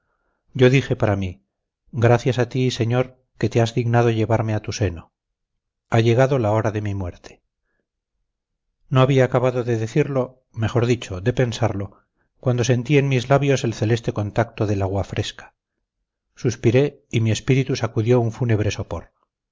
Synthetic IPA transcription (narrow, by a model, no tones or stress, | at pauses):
ɟ͡ʝo̞ðixe̞paɾami | ɡɾaθjasat̪ise̞ɲo̞ɾ | ke̞t̪e̞azðiɣnað̞o̞ʝe̞βaɾmeat̪use̞no | aʝe̞ɣaðo̞lao̞ɾaðe̞mimwe̞ɾt̪ʰe̥ | no̞aβiaːkaβaðo̞ðe̞ðeθiɾlo̞ | me̞xo̞ɾðit͡ʃo̞ðe̞pe̞nsaɾlo̞ | kwan̪d̪ose̞nt̪ie̞nmizlaβjo̞se̞lθe̞le̞st̪e̞ko̞nt̪ak̚t̪o̞ðe̞laɣwafɾʔe̞skḁ | suspiɾe̞ | imie̞spiɾit̪usakuðjo̞uɱfune̞β̞ɾe̞so̞po̞̰ɾ